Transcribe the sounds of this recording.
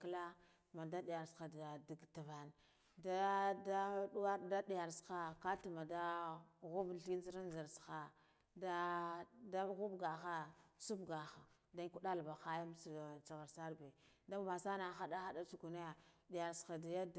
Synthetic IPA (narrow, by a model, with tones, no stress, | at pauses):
kla˦ | ma˨da˦di˨ja˨ɾsxa˨da˨di˨ɡta˨va˨n | da˦da˦ɗu˦wa˦ɾda˦ɗi˨ja˨ɾsxa˦ka˦tu˨ma˨da˦ɣu˦bɬi˦zi˦ɾa˦nza˨ɾsxa˨ | da˦da˦ɣu˦bɡa˨xa˦t͡su˦bɡa˨xa˨ | da˦ku˦ɗa˦lba˨xa˦ja˦m˦st͡sa˨ɣa˨ɾsa˦ɾbe˨da˦ma˨sa˦na˨xa˦da˦xa˦da˦t͡su˨ɡu˨na˦ja˨ɗi˨ja˨ɾsxa˨da˨ja˦d